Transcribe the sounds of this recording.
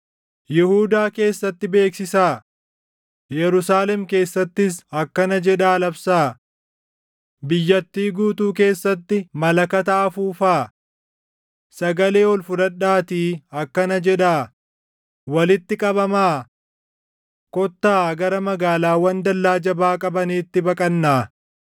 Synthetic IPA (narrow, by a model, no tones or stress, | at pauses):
jɪhuːd̪aːke̞ːsːɐt̪ːɪbe̞ːksɪsaː | jɛɾʊsaːlɛmke̞ːsːɐt̪ːɪsɐkːɐnɐd͡ʒɛᶑaːlɐbsaː | bɪjːɐt̪ːiːɡuːt̪uːk̬e̞ːsːɐt̪ːɪmɐlɐkɐt̪aːfuːfaː | sɐɡɐle̞ːɔlfʊdɐᶑːaːt̪iːɐkːɐnɐd͡ʒɛᶑaː | wɐlɪt̪ːɪkʼɐbɐmaː | kɔt̪ːaːɡɐɾɐmɐɡaːlaːwɐnd̪ɐlːaːd͡ʒɐbaːkʼɐbɐniːt̪ːɪbɐkʼɐnːaː